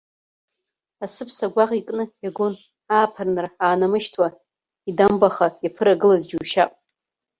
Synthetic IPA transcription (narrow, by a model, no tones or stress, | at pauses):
asɨpʰsaɡʷaʁikʼnɨjaɡon | aːpʰarnɨraːnamɨʃtʰwa | idambaχajapʰɨɾaɡɨlazd͡ʒuːʃa̰pʼ